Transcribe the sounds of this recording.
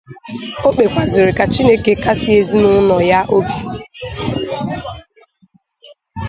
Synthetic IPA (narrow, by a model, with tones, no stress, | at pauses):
o˦k͡pe˨kʷa˨zɪ˨ɾɪ˨ka˨t͡ʃi˦ne˦ke˦ka˦si˦e˦zi˦nʊ˦nɔ˨ja˦ʔo˦bi˨